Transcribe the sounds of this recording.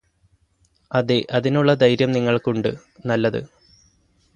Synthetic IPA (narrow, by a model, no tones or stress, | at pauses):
ɐðeʔɐðinuɭːɐd̪ɐjɾjɐmniŋːɐɭkuɳɖɨ̰ | nɐlːɐðɨ̰